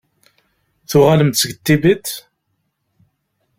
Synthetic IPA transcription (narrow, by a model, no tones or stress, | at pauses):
θʊʁaləmt̪sɡət̪ːibit̪